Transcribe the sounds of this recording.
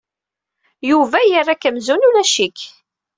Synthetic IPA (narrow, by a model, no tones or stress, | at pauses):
juvæjərːakəmzunulæʃik